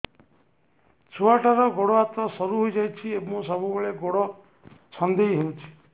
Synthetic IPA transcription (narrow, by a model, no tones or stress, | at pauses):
t͡ʃʰuaʈaɾɔɡoɽɔat̪ɔsɔɾuɦojd͡ʒajt͡ʃʰiemũsɔbubeɭeɡoɽɔ | sɔnd̪eɦiɦewt͡ʃʰi̥